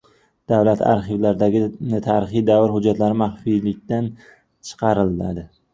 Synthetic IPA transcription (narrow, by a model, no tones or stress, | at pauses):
d̪̥avlat̪ʰa̰ɾχivlaɾd̪aɡʲɪt̪ʰaːɾɪχijd̪avɪɾɦʊd͡ʒːat̪laɾɪmaχfijlɪk̚ʲt̪an | t͡ʃʰɨ̥qʰɑɾɪlːa̰d̪ɪ